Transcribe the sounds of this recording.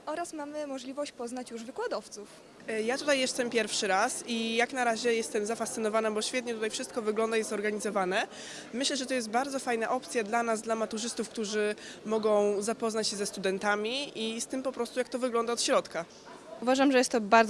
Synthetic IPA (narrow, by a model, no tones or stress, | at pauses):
ɔɾasmamɘmɔʐlʲivɔɕt͡ɕpɔznat͡ɕjuʐvɘkwad̪ɔft̪suf | jat̪ut̪ajːɛst̪ɛmpʲjɛɾfʂɘɾasijaknaɾaʑɛjɛst̪ɛmzafast̪sɘnɔvanabɔɕfʲɛt̪̬ɲɛt̪ut̪ajfʂɘst̪̚kɔvɘɡlɔnd̪aizɔɾɡaɲizɔvanɛ | mɘɕlɛʐɛt̪ɔjɛst̪baɾd̪ɔfajnaʔɔpt̪sʲjad̪lanazd̪lamat̪uʐɘst̪ufkt̪uʐɘmɔɡɔ̃w̃zapɔznat͡ɕɕɛzɛst̪ud̪ɛnt̪amʲiist̪ɘmpɔpɾɔst̪ujak̚t̪ɔvɘɡlɔnd̪aɔt̪ɕɾɔt̪ka | uvaʐamʐɛjɛst̪ːɔbaɾz